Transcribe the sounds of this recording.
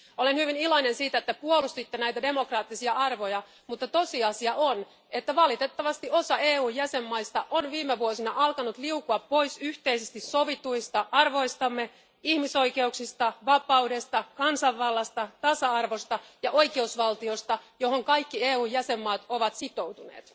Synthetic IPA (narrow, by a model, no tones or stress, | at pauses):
olenhyʋiniloinensiːt̪æet̪ːæpuolust̪it̪ːenæit̪æde̞mo̞krɑːt̪ːisiɑɑrʋojɑ | mut̪ːɑt̪osiɑsiɑʔon | et̪ːæʋɑlit̪et̪ːɑʋɑst̪io̞sɑeːuːjjæsemːɑist̪ɑʔonʋiːmeʋuosinɑʔɑlkɑnut̪liukuɑpːo̞isyht̪eisest̪issoʋit̪uist̪ɑʔɑrʋo̞ist̪ɑmːe | ihmiso̞ikeuksist̪ɑʋɑpɑudest̪ɑkɑnsɑʋːɑlːɑst̪ɑt̪ɑsɑɑrʋost̪ɑjɑʔo̞ikeusʋɑlt̪iost̪ɑjo̞hoŋkɑjkːieːuːjjæsemːɑːt̪oʋɑt̪sit̪owt̪unḛːt̪